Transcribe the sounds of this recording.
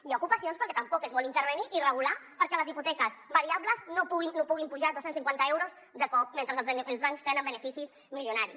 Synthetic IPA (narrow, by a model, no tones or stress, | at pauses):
iakupasionspəɾkɛt̪əmpɔkəzβɔlint̪əɾβəniʔirəɣ̞ulapəɾkɛləziput̪ɛkəzβəɾiabləznopuɣinːopuɣimpuʒaðosensiŋkwant̪əewɾoz | ðəkɔk̚ment̪ɾəzəlˠzilˠzβaŋkst̪ɛnəmbənəfisiz | miljunaɾi